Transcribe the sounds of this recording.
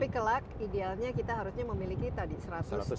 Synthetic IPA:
pikəlakidealɲakit̪aɦaɾusɲaməmilikit̪adisəɾat̪sʊ

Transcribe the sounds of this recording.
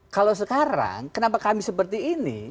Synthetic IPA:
kalos̬əkaɾa̰ŋkənapakamisəpərt̪iːnḭ

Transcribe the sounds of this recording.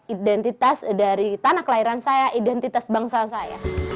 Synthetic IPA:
idɛnt̪it̪asdaɾit̪anaklaiɾansajaʔidɛnt̪it̪asbaŋsasaja̰

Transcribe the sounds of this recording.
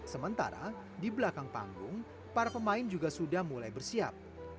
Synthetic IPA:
səmənt̪a̰ɾa̰ | dibəlakaŋpa̰ŋɡʊŋ | paɾapəmaɪnd͡ʒuɡasudahmulajbərsia̰p̚

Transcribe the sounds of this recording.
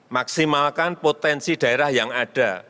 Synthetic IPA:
maksimalkanpot̪ɛnsid̥a̤eɾahjaŋaɖ̥a

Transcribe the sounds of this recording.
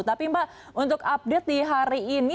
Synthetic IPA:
t̪apimbaʔ | unt̪ʊkap̚det̪̚diɦaɾiːni

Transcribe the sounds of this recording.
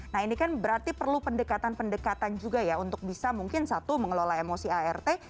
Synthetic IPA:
naɦinikanbəɾart̪ipərlupəndəkat̪anpəndəkat̪and͡ʒuɡajaunt̪ʊk̚bisamuŋkɪnsat̪uməŋəlolaemosiaɛrt̪e

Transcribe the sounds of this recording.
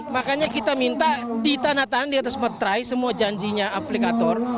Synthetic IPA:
makaɲakit̪amint̪adit̪anat̪anandiat̪asmət̪ɾajsəmuad͡ʒaɲd͡ʒiɲaaplikat̪ɔr

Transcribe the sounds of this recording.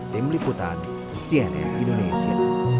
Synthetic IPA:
t̪imliput̪an | siɛnɛ̰mĩndonesia̰

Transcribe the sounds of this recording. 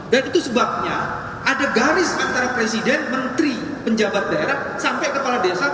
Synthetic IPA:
danit̪usəbap̚ɲa | ʔadaɡaɾɪsant̪aɾapɾesidɛnmənt̪ɾi | pəɲd͡ʒabat̪̚daeɾahsampɛkəpaladiasa

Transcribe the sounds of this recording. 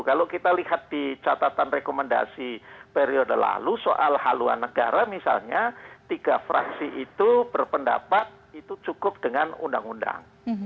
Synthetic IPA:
kalokit̪alihat̪̚dit͡ʃat̪at̪anrekomənda̰sipeɾiodəla̰luso̰ʔalhalua̰nːəɡaɾamisa̰lɲat̪iɡ̥afɾa̰ksiʔit̪ubərpəndapat̪̚it̪ut͡ʃukʊp̚d̥əŋanṵnda̰ŋunda̰ŋ

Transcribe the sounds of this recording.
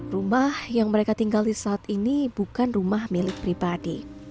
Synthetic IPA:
rumahjaŋməɾekat̪iŋɡalisaːt̪inib̥ukanrumahmilɪk̪̚pɾibadḭ

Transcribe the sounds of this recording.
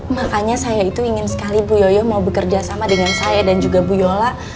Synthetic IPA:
makaɲasajait̪uiŋɪnsə̥kalibujojɔmaubəkərd͡ʒasamadəŋansajadand͡ʒuɡabujola

